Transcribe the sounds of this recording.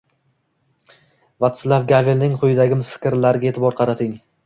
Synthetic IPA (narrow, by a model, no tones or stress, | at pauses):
vat̪slavɡʲavelnɪŋqʊjɪd̪aɡʲɪmɪz̥fɪ̥kʲɾlaɾɪɡʲaet̪ʰɪbɒɾqʰɑɾat̪ʰɪŋ